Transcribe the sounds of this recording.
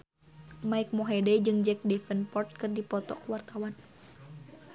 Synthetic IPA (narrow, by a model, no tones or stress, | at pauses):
maik̚mɔɦɛdɛd͡ʒɨŋd͡ʒɛk̚dɛfənpɔrt̪̚kɨrdipɔt̪ɔ̰kuwart̪awan